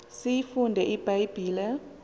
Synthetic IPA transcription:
sijifundʱɛʔib̥ʱajb̥ʱiːlɛ

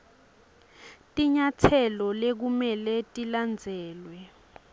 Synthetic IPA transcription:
tʼiɲatʰɛlɔlek̬umɛlɛtʼiland͡zʱɛːlwɛ

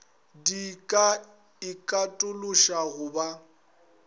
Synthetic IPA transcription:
dikʼa | ɪkʼatʼʊlʊʃaɣʊba

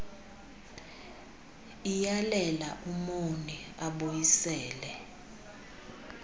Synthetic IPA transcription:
ijalɛlaʔumoniaɓojisɛːlɛ

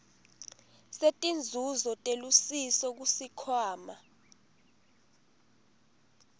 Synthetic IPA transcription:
setʼind͡zʱuzɔtʼelusisɔk̬usikʰwaːma

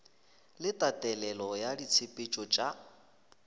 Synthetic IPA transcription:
lɪtʼatʼɛlɛlɔjadit͡sʰɪpʼɪt͡ʃʼɔt͡ʃʼa

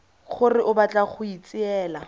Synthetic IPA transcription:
χʊrɪʔʊbat͡ɬʼaχʊit͡sʼɪɛːla

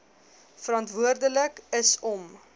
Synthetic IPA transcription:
fəɾɑntvuərdələkəsɔm

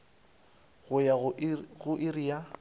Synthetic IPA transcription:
ɣʊjaɣʊʔɪrija

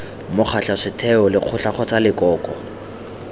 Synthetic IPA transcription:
mʊχʰaɬaʂɪtʰɛɔlɪq͡χʰʊɬaχɔt͡salɪkʼɔːkʼɔ

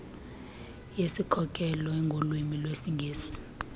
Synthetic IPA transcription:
jesikʰɔkʼɛlɔɛŋɡʱolwimilwesiŋɡʱeːsi̥

